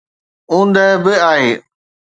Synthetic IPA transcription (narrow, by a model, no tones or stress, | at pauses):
ũːnd̪əɦbɪaːɦeː